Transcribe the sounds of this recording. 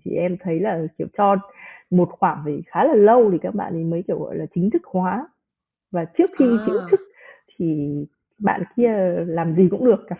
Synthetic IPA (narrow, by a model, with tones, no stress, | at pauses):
t̪ʰḭ˨˩ʔɛ˧mt̪ʰə˨˦jlaː˨˩ki˧˩əwt͡ɕɔ˧mo˨˩t̚xwaː˧˩ŋvi˨˩xaː˨˦laː˨˩lə˧wt̪ʰi˨˩kaː˦˥k̚ɓa̰ː˧˨nʔə˨˦jməː˨˦ki˧˩əwɣɔ̰˧˨jlaː˨˩t͡ɕï˨˦ŋ̟t̪ʰɨ˦˥k̚hwaː˨˦ | vaː˨˩t͡ɕɨ˦˥ək̚xi˧t͡ɕi˨˦ŋ̟t̪ʰɨ˦˥k̚t̪ʰi˨˩ | ɓa̰ː˧˨nki˧əlaː˨˩mzi˨˩kʊ̰˧˥ŋ͡mɗɨ˨˩ək̚ːaː˨˦